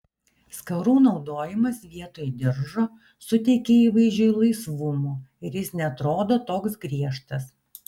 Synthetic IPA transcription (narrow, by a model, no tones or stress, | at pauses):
skɐɾuːnɒʊd̪oːjɪmɐsʋʲiɛt̪oːjd̪ʲɪɾʒoː | sʊt̪ʲɛɪkʲeiːʋɐɪzʲd͡ʒʲoɪlˠɐɪsʋʊmuːɪɾjɪsnʲɛɐt̪ɾoːd̪oːt̪oːksɡɾʲiɛʃt̪ɐs